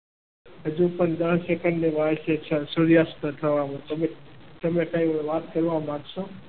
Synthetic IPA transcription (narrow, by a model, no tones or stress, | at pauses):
ɦəd͡ʒũpəɳd̪əɳsekəɳɖneʋaʋʃet͡ʃʰãsuɾjast̪ət̪ʰəʋamõt̪əbet̪əmẽkajĩʋaːt̪kəɾʋamãɡʃoː